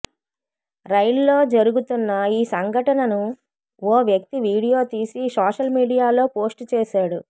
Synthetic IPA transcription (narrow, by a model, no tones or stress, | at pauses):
ɾɐjllo̞ːd͡ʒɐɾuɡut̪unːɐiːsɐŋɡʱɐʈɐnɐnu | ɔːʋjɐk̚t̪iʋiːɽijo̞ːt̪iːsisaːʂɐlmiːɽijaːlo̞ːpo̞ːsʈt͡ʃeːʃaːɽu